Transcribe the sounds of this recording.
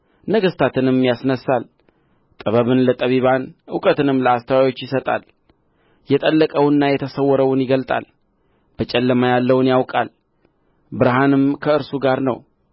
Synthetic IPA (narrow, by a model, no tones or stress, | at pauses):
nəɡəst̪ʰat̪ɨnɨmjasnəsal | t̪ʼəβəβɨnlət̪ʼəβiβanʔɨwkʼət̪ɨnɨmləast̪ʰəwawo̞t͡ʃːjɪsət̪ʼa̰l | jɛt̪ʼəlːəkʼəwɨnːajɛt̪ʰəsəwːɔɾəwʊnjɪɡəlt̪ʼa̰l | b̥ət͡ʃʼɛlːəmajalːəwnjawkʼal | bɨɾɦanɨmkʰəɨɾsuɡaɾnə̰w